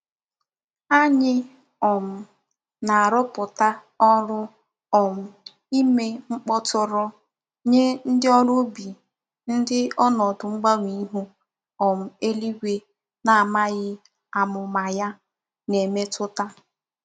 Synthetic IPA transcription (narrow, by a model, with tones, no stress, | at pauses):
a˦ɲɪ˦ | ɔ˨m̩˨ | na˨a˨ɾɔ˦pʊ˨ta˦ | ɔ˦ɾʊ˦ | ɔ˨m̩˨ | i˦me˦ŋ͡m̩˦k͡pɔ˦tʊ˦ɾɔ˦ | ɲe˦n̩˦dɪ˦ɔ˦ɾʊ˦bi˨ | n̩˦dɪ˦ɔ˦nɔ˨dʊ˨ŋ͡m̩˦ɡ͡ba˦ŋʷ˨i˦ɦu˦ | ɔ˨m̩˨e˦li˦ɡʷe˦ | na˨a˨ma˦ɣɪ˦ | a˨mʊ˨ma˨ja˦ | ne˨me˦tʊ˦ta˦